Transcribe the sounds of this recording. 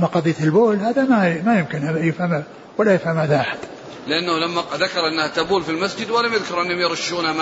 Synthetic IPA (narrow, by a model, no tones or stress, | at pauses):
mːaqɑðˤiːt̪ɪlboːlhaːðamamajɪmkɪnʔajɪfham | walːajɪfhamʔaðaʔaħad̪̥ | lɪʔanːahlamːaðakɑɾˤʔɪnːahat̪abuːlfilmasd͡ʒɪd̪wɪlamjɪðkʊɾˤʔɪnːhʊmjɪɾˤɑʃːuːnama